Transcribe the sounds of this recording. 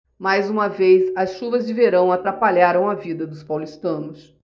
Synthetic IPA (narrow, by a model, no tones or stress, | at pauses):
majzũmɐvejzɐsʃuvɐzd͡ʒɪveɾɐ̃w̃at̪ɾapaʎaɾɐ̃w̃ɐvid̪ɐd̪ʊspawlist̪ɐ̃nʊs